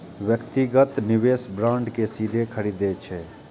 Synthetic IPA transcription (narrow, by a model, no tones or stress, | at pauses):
ʋjəkt̪iɡət̪niʋesbɾãɳɖkesid̪ʱekʰəɾid̪et͡ʃʰɛ